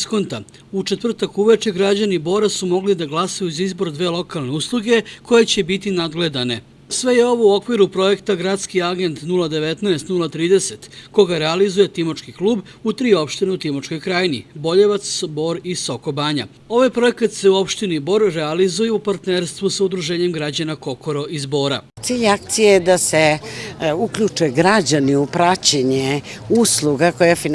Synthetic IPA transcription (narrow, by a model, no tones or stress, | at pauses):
sko̞nt̪a̰ | ut͡ʃet̪ʋr̩t̪akuʋet͡ʃeɡɾad͡ʑanibo̞ːɾasumo̞ɡlid̪aɡlˠasajuzaizbo̞ɾd̪ʋe̞ːlˠo̞kalˠne̞uslˠuɡe̞ko̞jet͡ɕe̞bit̪inad̪ɡle̞d̪ane̞ | sʋe̞je̞o̞ʋo̞uo̞kʋiɾupɾo̞je̞kt̪aɡɾat̪skiaɡe̞nt̪nulˠad̪e̞ʋe̞t̪naest̪nulˠat̪ɾiːd̪e̞se̞t̪ko̞ɡaɾealizuje̞t̪imot͡ʃkikluːb | ut̪ɾiːo̞pʃt̪ineut̪imot͡ʃko̞jkɾaːjnḭbo̞ʎeʋat̪sbo̞ːɾiso̞ko̞baːɲa̰ | o̞ʋajpɾo̞e̞kat̪se̞uo̞pʃt̪inibo̞ːɾːealizujeupaɾt̪neɾst̪ʋusaud̪ɾuʒe̞ːɲe̞mɡɾad͡ʑanako̞ko̞ɾo̞ʔizbo̞ːɾa̰ | t̪siːʎak̚t̪sijed̪ase | ukʎut͡ʃueɡɾad͡ʑaniupɾat͡ɕeɲe | uslˠuɡakojafi